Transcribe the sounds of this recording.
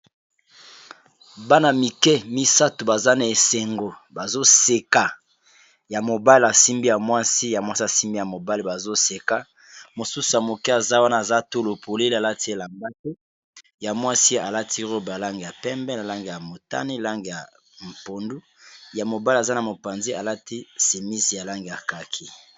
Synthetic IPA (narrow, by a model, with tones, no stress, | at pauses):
ba˦na˨mi˨kɛ˦mi˦sa˦to˨ba˨za˦na˨e˨se˨ŋɡo˨ba˨zo˦se˨ka˨ | ja˨mo˨ba˦le˨a˨si˦mbi˦ja˨mwa˦si˦ja˨mwa˦si˦a˨si˦mbi˦ja˨mo˨ba˦li˨ba˨zo˦se˨ka˦ | mo˨su˦su˨a˨mo˨ki˦a˨za˦wa˦na˦˨a˨za˦to˦lo˨pʰo˨le˦le˦a˨la˦ti˦e˨la˨mba˦te˦ | ja˨mwa˦si˦a˨la˦tʰi˦ʁo˦ba˨la˦ŋɡe˨ja˨pɛ˦mbɛ˦na˨la˦ŋɡe˨ja˨mo˨ta̰˦ni˦˨la˦ŋɡe˨ja˨ | m̩˨po˨ndu˦ | ja˨mo˨ba˦la˨za˦na˨mo˨pa˨nze˦a˨la˦ti˦se˨mi˦si˨ja˨la˦ŋɡe˨ja˨ka˨kʰi˦